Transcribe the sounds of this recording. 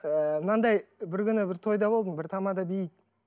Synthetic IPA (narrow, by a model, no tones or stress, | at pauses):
əmənɑnd̪ɑjbɪɾkʲʏnɪbɪɾt̪ʰo̞jd̪ɑbo̞lˠd̪əmbɪɾt̪ʰɑmɑd̪ɑbejit̪̚